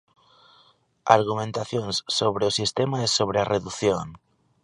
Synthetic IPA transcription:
a̰ɾɣ̞umẽnt̪aθjonsːoβ̞ɾeosist̪emaesoβ̞ɾeareðuθjoŋ

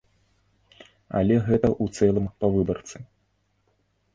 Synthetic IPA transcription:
a̰lʲɛɣɛt̪ɐʔut̪sɛlˠɨmpɐvɨbɐrt̪sɨ

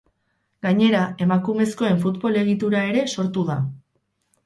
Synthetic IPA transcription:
ɡaɲe̞ɾae̞makume̞sko̞e̞ɱfut̪bo̞le̞ɣ̞it̪uɾae̞ɾe̞so̞ɾt̪uða

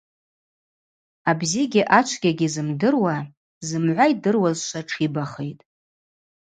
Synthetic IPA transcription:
abziɡʲiʔat͡ʃʷʰɡʲaɡʲizɨmdɨrwa | zɨmʕʷaidɨrwazʃʷaʈ͡ʂʰibaχejtʼ

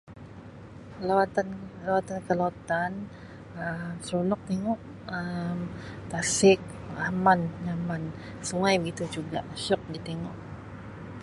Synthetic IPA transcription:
lawat̪anlawat̪ankəlot̪an | əmsɾunɔk̚t̪eŋɔʔ | əmt̪asɪk̚amanɲaman | suŋajbəɡit̪ud͡ʒuɡa̰ʔʃɔk̚dit̪eŋɔʔ

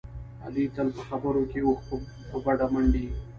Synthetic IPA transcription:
a̰lit̪alpəxabəɾokeoxp | pəbaɖaməɳɖi

